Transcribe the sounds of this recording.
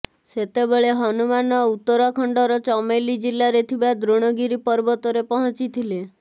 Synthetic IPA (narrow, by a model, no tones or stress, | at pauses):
set̪ebeɭeɦɔnumanɔut̪ːɔɾɔkʰɔɳɖɔɾɔt͡ʃɔmejlid͡ʒilaɾet̪ʰibad̪ɾoɽ̃ɔɡiɾipɔɾbɔt̪ɔɾepɔɦɔ̃t͡ʃit̪ʰile